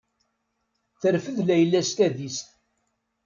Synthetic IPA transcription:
θəɾfəðlæjəlːæst̪æðist̪

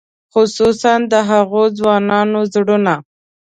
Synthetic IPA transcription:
xʊsusand̪əɦaɣod͡zwɑnɑnozɽuna

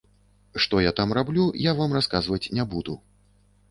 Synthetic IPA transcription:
ʂt̪ɔjat̪amrablʲujavamraskazvɐt͡sʲnʲɛbud̪u

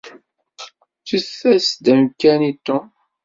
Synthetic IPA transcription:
t͡suθːæsd̪æmkːænit̪ːɔʊ̃

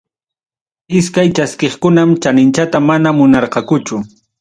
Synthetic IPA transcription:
ɪskajt͡ʃaskeχkʊnamt͡ʃanɪnt͡ʃat̪amanamʊnɑɾqɑkʊt͡ʃʊ

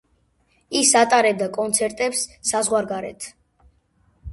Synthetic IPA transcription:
isat̪ʼaɾɛb̚d̪akʼɔnt̪sʰɛɾt̪ʼɛpsːazʁwaɾɡaɾɛ̰t̪ʰ

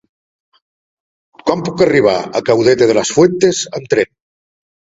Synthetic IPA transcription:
kampukaəriβ̞a̰ə̰kawðet̪eð̞ələsfwent̪ezəmt̪ɾen

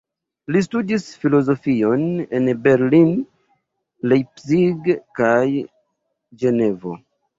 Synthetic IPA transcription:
lis̬tudisfilo̞zo̞fio̞ne̞nbe̞ɾlin | lejpsiɡkaj | d͡ʒe̞ne̞vo̞̰

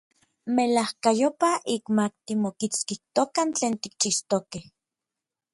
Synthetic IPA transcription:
melahkajopaʔikmak̚t̪imokit͡skiht̪okant͡ɬeːnt̪ik̚t͡ʃiʃt̪okeh

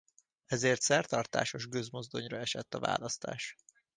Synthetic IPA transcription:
ɛzeːrt̪sɛrt̪ɒrt̪a̰ːʃo̞ʒɡøzmo̞zd̪o̞ɲrɒɛʃɛt̪ːɒva̰ːlɒst̪a̰ːʃ

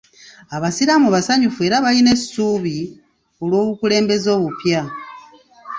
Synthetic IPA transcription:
aβasiɾamuβasaɲufue̞ːɾaβaline̞suːβi | o̞lwo̞ːβukule̞ːmbe̞zo̞ːβupja

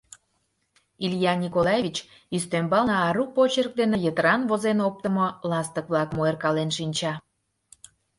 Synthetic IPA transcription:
iljɑnʲikolɑjeβʲit͡ɕ | yst̪ømbɑlnɑːɾupot͡ɕerk̚d̪enejət̪əɾɑnβozenop̚t̪əmolɑst̪ək̚βlɑkmoerkɑlenʃinʲt͡ɕɑ

